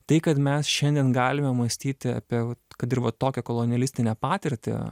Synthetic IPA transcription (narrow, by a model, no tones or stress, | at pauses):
t̪ɐɪkɐt̪mʲɛsʃʲɛnʲd̪ʲiɛnɡɑːlʲɪmʲɛmɐsʲt̪ʲiːt̪ʲɪɐ̰pʲiɛkɐt̪ɪɾʋɐt̪oːkʲɛkoːlˠonʲɪɛlʲɪsʲt̪ʲɪnʲɛpɑːt̪ʲɪɾʲt̪ʲɪ̰